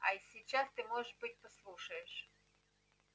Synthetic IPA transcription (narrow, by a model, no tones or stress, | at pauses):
ɐ̰isʲit͡ʃɑst̪ɪmɔʒeʃbɪtʲpɔslˠuʃɐjeʃ